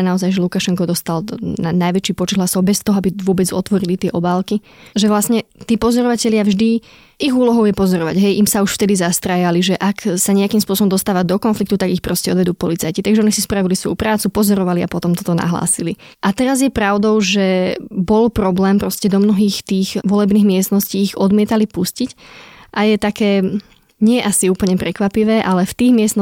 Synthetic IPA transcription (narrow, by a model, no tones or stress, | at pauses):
naɔzajʒɛlukaʃɛŋkɔd̪ɔst̪alnajʋɛt͡ʃiːpɔt͡ʃɛd̪ɦlasɔʊbɛst̪ɔɦɔabiʋʊɔbɛd͡zɔ̰t̪ʋɔɾilit̪ɪɛʔɔbaːlki | ʒɛʋlasɲɛt̪iːpɔzɔɾɔʋacɛʎɪavʒd̪i | iɣuːlɔɦɔʊjɛpɔzɔɾɔʋa̰ɟɦɛjʔimsauʃft̪ɛd̪izast̪ɾajaliʒɛʔaksaɲɛakiːmspʊɔsɔbɔmd̪ɔst̪aːʋad̪ɔkɔnflikt̪ut̪aɡixpɾɔscɛɔd̪ʋɛd̪uːpɔlit͡sajcit̪aɡʒɛɔnisispɾaʋilisʋɔ̰jupɾaːt͡supɔzɔɾɔʋalia̰pɔt̪ɔmt̪ɔt̪ɔna̰ɦla̰ːsili | ʔat̪ɛɾazjɛpɾaʊd̪ɔʊʒɛbɔlpɾɔblɛːmpɾɔscɛd̪ɔmnɔɦiːxt̪iːɣʋɔlɛbniːɣmɪɛst̪nɔsciːɣɔd̪mɪɛt̪alipuscicʔajɛt̪akɛː | ɲɪɛʔasiuːpl̩ɲɛpɾɛkʋapiʋɛːʔalɛft̪iːɣmɪɛsn